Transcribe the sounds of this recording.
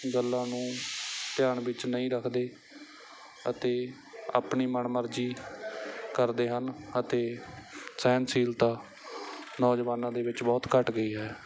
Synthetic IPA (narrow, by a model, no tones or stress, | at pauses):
ɡəlːãːnũːt̪ɪjaːɳʋɪt͡ʃnəĩːɾəkʰd̪eː | ə̰t̪eː | a̰ːpɳiːməɳməɾd͡ʒiː | kəɾd̪eːɦənət̪eːsɛːnsiːlt̪aː | nɔːd͡ʒʋaːnãːd̪eːʋɪt͡ʃbɔːt̪kəʈɡəiːɦɛː